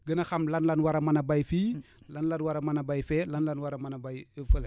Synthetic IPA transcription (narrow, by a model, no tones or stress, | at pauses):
ɡənɐxɐmlɐnlɐnwɐɾɐmɐnɐbajfiː | lɐnlɐnwaɾɐmanɐbajfɛːlɐnlɐnwaɾɐmɐnɐbajəfəl